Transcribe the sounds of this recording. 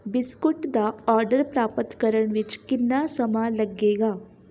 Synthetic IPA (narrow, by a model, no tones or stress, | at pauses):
biskuʈd̪aɔːɾɖəɾpɾaːpət̪kəɾəɳʋit͡ʃkinːasəmalɐɡːeːɡa